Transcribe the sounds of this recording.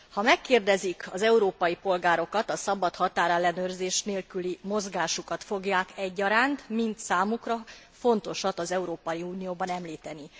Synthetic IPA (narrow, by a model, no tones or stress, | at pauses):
hɒmɛkːeːrd̪ɛzikɒzɛuɾoːpɒjipo̞lɡaːɾo̞kɒt̪ɒsɒbɒt̪hɒt̪aːɾɛlːɛnøːrzeːʃneːlkylimo̞zɡaːʃukɒt̪fo̞ɡjaːkɛɟːɒɾaːnt̪mint̪saːmukrɒ | fo̞nt̪o̞ʃɒt̪ɒzɛuɾoːpɒjiuːnijoːbɒnɛmliːt̪ɛni